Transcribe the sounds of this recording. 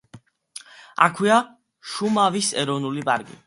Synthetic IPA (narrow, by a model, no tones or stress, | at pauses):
a̰kʰwia | ʃumavisɛɾɔvnulipʼa̰ɾkʼḭ